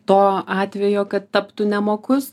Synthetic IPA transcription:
t̪oːɑːt̪ʲʋʲɛjoːkɐt̪tɐpt̪ʊnʲɛmoːkʊs

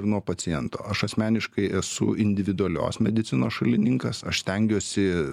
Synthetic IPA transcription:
ɾnuɔpɐt͡ssʲɪjɛnt̪oːɐʃɐsʲmʲæːnʲɪʃkɐɪɛsʊ̰ɪnʲd̪ʲɪʋʲɪd̪ʊɐlʲo̰ːsmʲɛd̪ʲɪt̪sʲɪnoːsʃɐlʲɪnʲɪŋkɐsɐʃst̪ʲɛŋʲɡʲuːsʲɪ

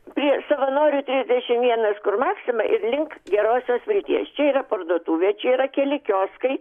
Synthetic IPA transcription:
pʲɾʲiɛsɐʋɐnoːɾʲuːt̪ʲɾʲɪzʲd̪ʲɛʃʲɪmʋʲiɛnɐskʊrmɑːksʲɪmɐʔɪɾlʲɪŋkɡʲɛɾoːsʲoːsʋʲɪlʲt̪ʲḭɛst͡ʃʲɛiːrɐpɐrd̪uɔt̪uːʋʲiɛt͡ʃʲɛiɾɐkʲɛlʲɪkʲoːskɐɪ

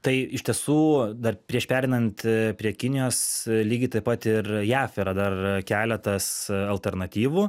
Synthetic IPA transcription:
t̪ɐɪɪʃʲt̪ʲiɛsuːd̪ɐrpʲɾʲiɛʃpʲæːɾʲɛɪnɐnt̪pʲɾʲiɛkʲɪnʲɪjoːslʲiːɡʲɪt̪ɐɪpɐt̪ɪrjæːfiːɾɐd̪ɐrkʲæːlʲɛt̪ɐsɐlʲt̪ʲɛɾnɐt̪ʲiːʋuː

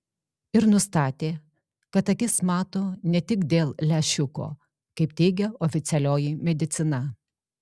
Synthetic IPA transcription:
ɪɾnʊst̪ɑːt̪ʲeː | kɐt̪ɐkʲɪsmɑːt̪oːnʲɛt̪ʲɪkd̪ʲeːlˠlʲɛʃʲʊko̰ː | kɐɪpt̪ʲɛːɡʲɛɔfʲɪt̪sʲɛlʲoːjɪmʲɛd̪ʲɪt̪sʲɪnɐ

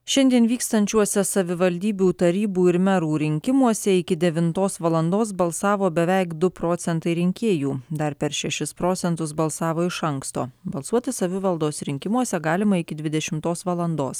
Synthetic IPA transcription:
ʃʲɛnʲd̪ʲiɛnʋʲiːkst̪ɐnʲt͡ʃʲuɔsʲɛsɐʋʲɪʋɐlʲd̪ʲiːbʲuːt̪ɐɾʲiːbuːɪɾmʲɛɾuːɾʲɪŋʲkʲɪmuɔsʲɛɪkʲɪd̪ʲɛʋʲɪnt̪oːsʋɐlˠɐnd̪oːs̬bɐlˠsɑːʋoːbʲɛʋʲɛɪkd̪ʊpɾoːt̪sʲɛnt̪ɐɪɾʲɪŋʲkʲeːjuːd̪ɐɾpʲɛɾʃʲɛʃʲɪspɾoːt̪sʲɛnt̪ʊsbɐlˠsɑːʋoːɪʃɐŋkst̪o̰ːbɐlˠsuɔt̪ʲɪsɐʋʲɪʋɐlˠd̪oːsɾʲɪŋʲkʲɪmuɔsʲɛɡɑːlʲɪmɐɪkʲɪd̪ʲʋʲɪd̪ʲɛʃʲɪmt̪oːsʋɐlˠɐnd̪o̰ːs

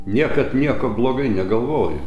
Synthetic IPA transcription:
nʲiɛkɐt̪nʲiɛkoːblˠoːɡɐɪnʲɛɡɐlˠʋoːjɛ

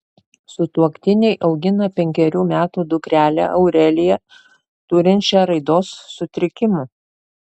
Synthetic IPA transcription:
sʊt̪uɔkt̪ʲɪnʲɛɪʔɒʊɡʲɪnɐpʲɛŋʲkʲɛɾʲuːmʲæːt̪uːd̪ʊkɾʲæːlʲæ̰ʔɐʊɾʲɛlʲɪjɛ | t̪ʊɾʲɪnʲt͡ʃʲɛɾɐɪd̪oːsːʊt̪ʲɾʲɪkʲɪmu

